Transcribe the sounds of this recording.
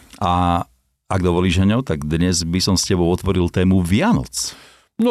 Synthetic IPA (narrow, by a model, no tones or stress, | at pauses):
a | aɡd̪ɔʋɔliːʒɦɛɲɔʊt̪aɡd̪ɲɛzbisɔmscɛbɔʊɔt̪ʋɔɾilt̪ɛːmuʋɪanɔ̰t͡s | nɔ